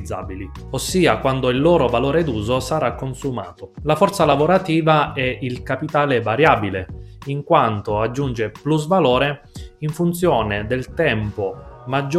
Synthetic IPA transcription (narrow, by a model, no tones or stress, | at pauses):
zːa̰bili | osːiːakwand̪oilːoːɾovaloːɾed̪uːzosaɾakːonsumaːt̪olafɔrt̪salavoɾat̪iːvaɛilkapit̪aːlevaɾjaːbileiŋkwant̪oad͡ʒːund͡ʒepluzvaloːɾe | iɱfunt̪sjoːned̪elt̪ɛmpomad͡ʒː